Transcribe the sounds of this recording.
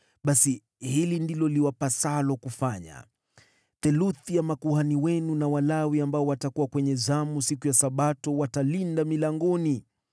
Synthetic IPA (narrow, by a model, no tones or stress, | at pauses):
ɓasi | hilindilɔliwapasalɔkufaɲa̰ | θɛluθijamakuhaniwɛnunawalawiambaɔwatakuwakwɛɲɛzamusikujasaɓatɔwatalindamilaŋɡɔni